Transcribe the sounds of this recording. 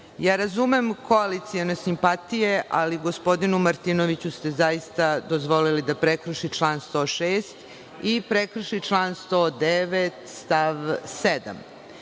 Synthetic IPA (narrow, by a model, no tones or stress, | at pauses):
jaːɾazume̞mkoalit̪sijenesimpat̪ijeʔa̰liɡo̞spo̞d̪inumaɾt̪ino̞ʋit͡ɕust̪e̞zajist̪ad̪ozʋo̞lilid̪apɾekɾ̩ʃit͡ʂlˠaːnst̪o̞ːʃeːst̪ | ipɾekɾ̩ʃit͡ʂlˠaːnst̪oːd̪eʋet̪st̪aʋsed̪a̰m